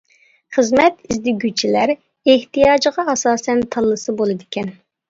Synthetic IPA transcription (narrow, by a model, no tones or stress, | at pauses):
χəzmɛt̪izd̪ɪɡʲyt͡ʃʰilæɾ | eht̪ijɑːd͡ʒəʁɑɑsɑːsɛnt̪ʰɑlˠːɨsɨbolˠɨd̪ɪkʲʰɛn